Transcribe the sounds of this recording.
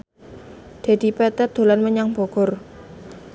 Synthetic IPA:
d̪̥a̤d̥̪ipɛt̪ɛd̪̥o̤lanməɲaŋb̥ɔ̤ɡ̥ɔ̤r

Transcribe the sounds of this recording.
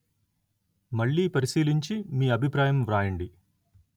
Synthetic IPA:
mɐɭːiːpɐɾiʃiːliɲt͡ʃimiːɐbʱipɾaːjɐmʋɾaːjɐɳɖi

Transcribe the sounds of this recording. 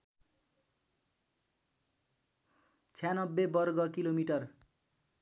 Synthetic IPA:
t͡sʰjanʌbːebʌrɡʌkilomiʈʌr

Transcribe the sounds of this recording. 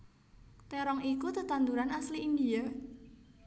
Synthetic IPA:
t̪eɾɔŋikut̪ət̪and̪uɾanasliːnd̪ia

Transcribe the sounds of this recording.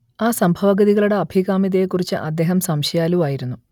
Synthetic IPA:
aːsɐmbʱɐʋɐɡɐðiɣɐɭuɽeɐbʱiɣaːmiðɐjekːurit͡ɕːɨ̰ʔɐ̰d̪ːe̞ːɦɐmsɐmɕɐjaːluʋaːjiɾunːu

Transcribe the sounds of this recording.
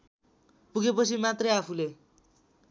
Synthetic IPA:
puɡepʌt͡sʰimat̪rʌjapʰule

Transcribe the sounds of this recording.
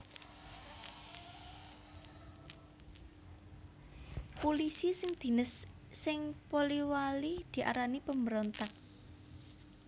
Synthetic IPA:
polisisɪŋd̪̥i̤nəsː | ɪŋpoliwalid̪̥i̤ʔa̰ɾanipəməɾont̪ak̚

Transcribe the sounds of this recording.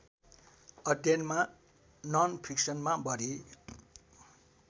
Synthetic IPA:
ʌd̪ʱjʌnma | nʌnpʰiksʌnmabʌɾi

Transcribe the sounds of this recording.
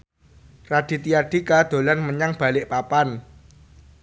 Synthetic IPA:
rad̪̥i̤t̪iard̥ikad̪̥o̤lanməɲaŋb̥a̤lɪʔpapan

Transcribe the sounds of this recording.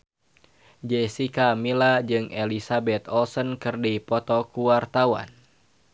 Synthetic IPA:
d͡ʒɛsikamilad͡ʒɨŋɛlisabɛt̪ɔlsɔnkɨrdipɔt̪ɔkuwart̪awa̰n

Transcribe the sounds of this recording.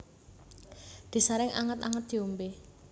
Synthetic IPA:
d̪̥i̤saɾɪŋʔa̰ŋət̪a̰ŋət̪̚d̪̥i̤umbe

